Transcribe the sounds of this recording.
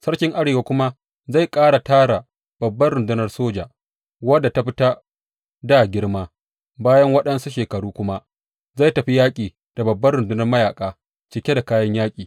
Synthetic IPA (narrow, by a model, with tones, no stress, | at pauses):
sɐ˦ɽkʲɪ˦ŋʔa˦ɽeː˨waː˦kʷʊ˦ma˦ | za˦˨jkʼaː˦ɽa˨taː˦ɽa˨ | b̥ɐ˨bːɐ˦ɽʊ˨ndʊ˦nɐ˦rsoː˦d͡ʒa˨ | wɐ˦dːa˨ta˦ɸɪ˦ta˦ | daː˦˨ɡʲɪ˦ɽmaː˦ | baː˦jɐ˦ŋwɐ˦ɗɐ˦nsu˦ʃeː˨kɐ˨ɽuː˦kʷʊ˦ma˦ | za˦˨jtɐ˨ɸi˦jaː˦kʲʼiː˨ | d̥a˨bɐ˨bːɐ˦rɽʊ˨ndʊ˦nɐ˦rmɐ˦jaː˨kʼaː˦ | t͡ʃɪ˦˨kʲe˦da˨kaː˦jɐ˦ɲjaː˦kʲʼiː˨